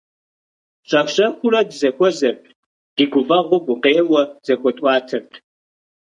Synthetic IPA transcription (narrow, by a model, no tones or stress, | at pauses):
ɕʼɐxɕʼɐxʷʊɾɐdzɐxʷɔzɐrpʰʼ | ɡ̥iɡʷʊvɐʁʷʊɡʷʊqeːwɐz̥ɐxʷɔtʼwɑːtʰɐrtʰ